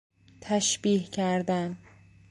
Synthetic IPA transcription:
t̪ʰæʃbiːhcʰæɾd̪æn

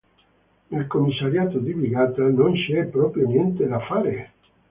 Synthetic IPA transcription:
nelkomːisːaɾjaːt̪od̪ibiɡaːt̪anonsiɛpːɾɔpɾjonjɛnt̪ed̪afaːɾe

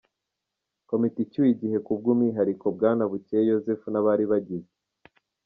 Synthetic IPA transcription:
ko̞miticujiɟihe̞kub̚ɡuːmŋiɦaɾiko̞bɡaːnaβucejo̞zefunaβaɾiβaɟize

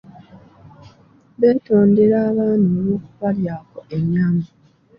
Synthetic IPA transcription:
βe̞ːto̞ːnde̞ɾaːβaːnoːluːkuβaljaːko̞ʔemjaːmbi

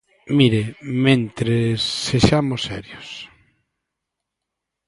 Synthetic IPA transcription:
miɾemẽnt̪ɾesːeʃamosːɛɾjos

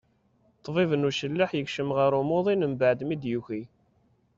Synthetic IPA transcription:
t̪ˤːvivənuʃəlːaħjəkʃəmʁəɾumoðˤinəmbaʕd̪mid̪juçi

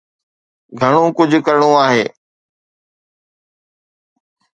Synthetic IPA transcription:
ɡʱəɽ̃õːkʊd͡ʑʱkəɾɳõːaːɦeː

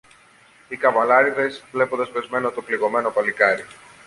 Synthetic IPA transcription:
ikɐvɐlɐɾiðe̞svle̞pond̪ɐspe̞zme̞not̪opliɣo̞me̞no̞pɐlikɐɾi

